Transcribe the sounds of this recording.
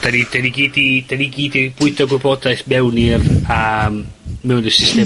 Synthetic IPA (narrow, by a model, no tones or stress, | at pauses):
d̥anidaniɡiːdid̥aniɡiːdib̥ʊɨtʰɔɡwɪbɔdajθmɛwnirammɛwndɪsɪste